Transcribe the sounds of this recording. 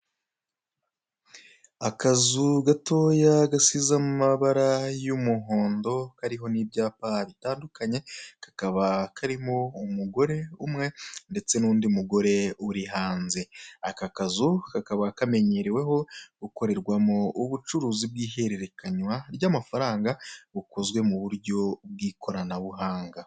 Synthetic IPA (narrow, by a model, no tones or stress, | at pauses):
akazuɡato̞jaɡasizamumaβaɾajumuɦo̞ːndo̞kaɾiɦo̞nibɟaːpaβitaːndukʰaɲe̞kḁkaβakʰaɾimo̞umuɡo̞ɾe̞umŋe̞nde̞t͡se̞nuːndiumuɡo̞ɾe̞uɾiɦaːnze̞akakazukakaβakame̞ɲeɾewe̞ɦo̞ɡuko̞ɾe̞ɾɡwamouβut͡ʃuɾuːzib̚ɡiːhe̞ɾeɾe̞kaɲwaɾjaːmafaɾaːŋɡaβukʰo̞zwe̞muβuɾɟo̞b̚ɡiːkʰo̞ɾanaβuɦaːŋɡa